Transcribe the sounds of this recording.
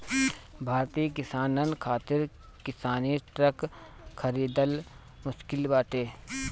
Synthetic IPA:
bʱaːɾt̪iːkɪsaːnənkʰaːt̪ɪɾ | kɪsaːniʈɾək | xʰɐɾiːd̪əl | mʊʃkɪlbaːʈeː

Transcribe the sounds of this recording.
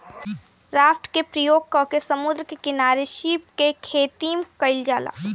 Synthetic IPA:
ɾaːfʈkepɾəjoːɡ̚kɔkesɐmʊd̪ɾəkekɪnaːɾeʃiːp̚kekʰeːt̪iːmkɐɪld͡ʒaːla̰ː

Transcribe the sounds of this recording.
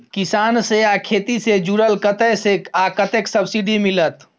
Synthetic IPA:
kisaːnseakʰet̪ised͡ʒuɾəlkət̪əsekakət̪eksəbsiɖimilət̪

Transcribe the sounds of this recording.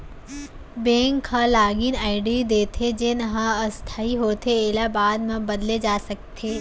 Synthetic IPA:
bẽːŋkʰːalaːɡinaːɪɖid̪eːt̪ʰed͡ʒɪnɦãɐst̪ʰaːiɦoːt̪ʰeeːlabaːd̪mɐ̃bɐd̪led͡ʒaːsɐk̚t̪ʰeː

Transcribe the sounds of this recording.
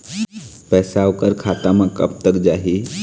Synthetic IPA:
pɛsawkəɾkʰat̪amakə̰p̚t̪əkd͡ʒaɦi

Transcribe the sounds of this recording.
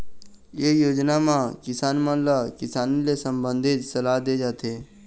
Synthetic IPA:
jejoːd͡ʒnamãkɪsaːnmə̃lakɪsaːnilesə̃mbə̃nd̪ʱed͡ʒsəlaːɦd̪ed͡ʒaːt̪e

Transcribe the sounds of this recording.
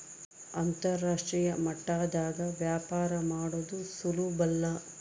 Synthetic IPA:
ɐnt̪ɐɾːaːʂʈɾiːjɐmɐʈːaːd̪aːɡɐʋjaːpaːɾɐmaːɽoːd̪usulubɐlːɐ

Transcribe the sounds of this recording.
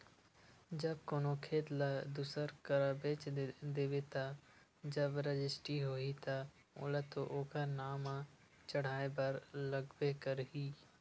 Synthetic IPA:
d͡ʒɐb̚koːnokʰeːt̪lad̪usəɾkəɾəbeːt͡ʃd̪eːʋet̪ad͡ʒɐbɾəd͡ʒɪsʈiɦoit̪a | ʊ̰lət̪oʔoːkʰanaːmã | t͡ʃɐɽ̤aːebɐɾlɐɡbekɐɾɦiː

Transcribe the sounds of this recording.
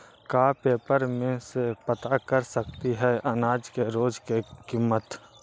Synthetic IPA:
kaːpeːpəɾmẽsepət̪akəɾsək̚t̪iɦɛʔɐnaːd͡ʒkeɾoːd͡ʒkekimːət̪

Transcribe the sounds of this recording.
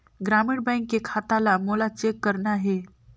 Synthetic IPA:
ɡɾamiɽbɛ̃ŋkːekʰat̪alamolat͡ʃekːəɾnaɦe

